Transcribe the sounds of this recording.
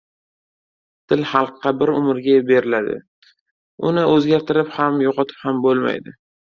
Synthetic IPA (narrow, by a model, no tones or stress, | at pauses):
t̪ʰɪlhɑlˠqːɑbɪɾʊmɪɾɡʲabe̞ɾɪlad̪ɪ̰ | ʊnɪʔɵzɡʲaɾt̪ʰɪɾɪphamjoqɑt̪ʰɪ̥phambolˠma̰jd̪ɪ